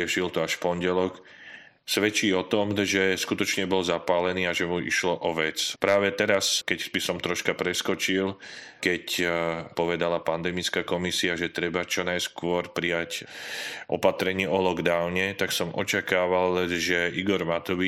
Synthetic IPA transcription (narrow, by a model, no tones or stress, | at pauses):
ɛʃilt̪ɔaʃfpɔnɟɛlɔk | sʋɛt͡ʃiːɔt̪ɔmʒɛskut̪ɔt͡ʃɲɛbɔlzapaːlɛniːaʒɛmuḭʃlɔʔɔʋɛt͡spɾaːʋɛt̪ɛɾaskɛcbisɔmt̪ɾɔʃkapɾɛskɔt͡ʃilkɛcpɔʋɛd̪alapand̪ɛmit͡skakɔmisiaʒɛt̪ɾɛbat͡ʃɔnajskʊɔɾpɾijac | ʔɔpat̪ɾɛɲiɔlɔɡd̪aʊɲɛt̪aksɔmʔɔ̰t͡ʃakaːʋalʒɛʔiɡɔɾmat̪ɔʋi